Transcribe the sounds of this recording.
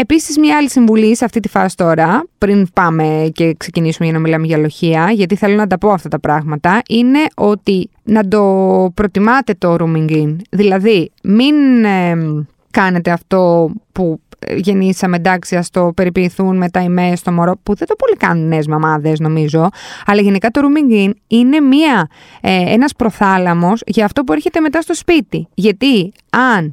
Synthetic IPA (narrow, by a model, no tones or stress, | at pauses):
e̞pisizmɲɐɐlisiɱvulisɐft̪it̪ifɐ̰si̥t̪o̞ɾɐpɾinpɐme̞ce̞kse̞cinisumeʝɐnɐmilɐmeʝɐlo̞çiɐʝɐt̪̬iθe̞lo̞nɐt̪ɐpo̞ɐft̪ɐt̪ɐpɾɐɣmɐt̪ɐʔine̞ʔo̞t̪i | nɐd̪o̞pɾo̞t̪imɐt̪e̞t̪o̞ɾumiŋɡinðilɐðiminm | kɐne̞t̪e̞ɐft̪o̞puʝe̞nisɐmed̪ɐksiɐst̪o̞pe̞ɾipiiθunme̞t̪ɐimest̪o̞mo̞ɾo̞puðe̞d̪opo̞likɐnunːezmɐmɐðe̞zno̞mizo̞ɐlɐʝe̞nikɐt̪o̞ɾumiŋɡinine̞miɐ | e̞̰nɐspɾo̞θɐlɐmo̞sʝɐːft̪o̞p̬ueɾçe̞t̪eme̞t̪ɐst̪o̞spit̪iʝɐt̪i | ɐn